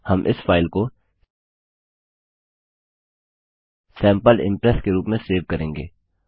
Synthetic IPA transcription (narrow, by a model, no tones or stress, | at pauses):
hɐmʔɪ̰sfʰaːɪlko | sɛ̃ːmpəlɪ̰̃mpɾɛskeɾuːpmẽseːʋkɐɾẽːŋɡḛː